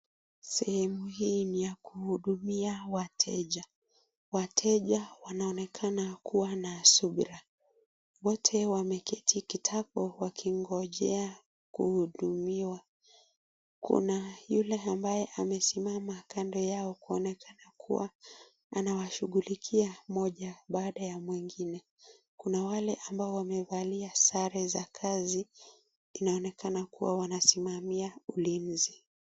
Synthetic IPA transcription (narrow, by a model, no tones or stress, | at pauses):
sɛhɛmuhiːnijakuhuɗumiawatʰɛʄa | watʰɛʄawanaɔnɛkʰanakuwanasuɓɾa | wɔtʰɛwamɛkɛtʰikitʰapɔwakʰiŋɡɔʄɛa | kuhuɗumiwa | kṵnajulɛambajɛʔamɛsimamakandɔjaɔkuɔnɛkʰanakʰṵwa̰ | anawaʃuɠulikʰiamɔʄaɓaːɗajamwiŋɡinɛ | kunawalɛʔambaɔwamɛvaliasaɾɛzakʰaziː | naɔnɛkanakuwa̰wanasimamiaulim̩zi